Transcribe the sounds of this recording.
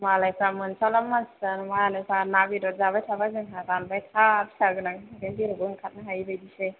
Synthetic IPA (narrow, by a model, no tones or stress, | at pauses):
malajpʰɾamɯnsalamːansanmanɯsanabidɔzaβajtʰabazɯŋɦaɡanbajtʰabsaɡɯnaŋɾemdiɾɯɡɯnkʰat̚naɦajbajdise